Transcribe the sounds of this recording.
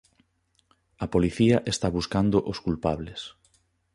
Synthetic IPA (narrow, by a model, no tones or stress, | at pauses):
ɐpoliθiɐʔest̪aβuskand̪oʔoskulpaβles